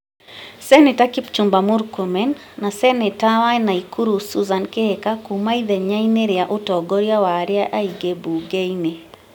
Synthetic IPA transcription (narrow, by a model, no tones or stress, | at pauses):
sɛnɛtakip̚t͡ʃumbamuɾkomɛnː | asɛnɛtawaɛnaikʰuɾusuzankeɛkakumaiðɛɲaineɾjaʔotɔɡɔɾjawaɾiaʔaiɡebuɡɛine